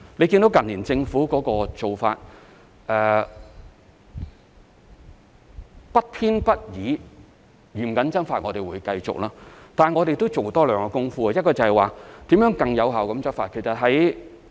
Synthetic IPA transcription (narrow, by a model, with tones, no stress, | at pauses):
le˨˧jki˧nd̪o˨˥wkɐ˨nliː˨˩nt͡sɪ˧ŋfuː˨˥kɔː˨˥kɔː˧t͡so˨˩wfa̰ː˧t̚ | ʔɛː˨ | pɐ˥t̚t̪ʰiː˥npɐ˥t̚jiː˨˧ | jy˨˩m̩˨kɐ˨˥nt͡sɐ˥nfaː˧t̚ŋɔ̰ː˨˧t̪e˨jwuː˨˧jkɐ˧jt͡sʊ̰˨k̚laː˥t̪aː˨˩ŋɔː˨˧ɾe˨jt̪o˥wt͡so˨wt̪ɔː˥lœː˨ŋkɔ˧kʊ˥ŋfuː˥ɐ˧jɐ˥t̚kɔː˧t͡sɐ˨˩hɛ˨jwaː˨t̪iː˨˥mjœː˨˥ŋkɐ˧ŋjɐ˨˧wɦɐ˨˩wkɐ˨˧˥mt͡sɐ˥tfaː˧t̚kʰe˨˩jsɐ˨t̚ɦɐ˨˥j